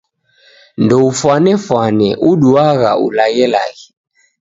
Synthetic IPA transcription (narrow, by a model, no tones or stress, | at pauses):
ndɔufwanɛfwanɛʔuɗuaɣa̰ṵlaɣɛla̰ɣɛ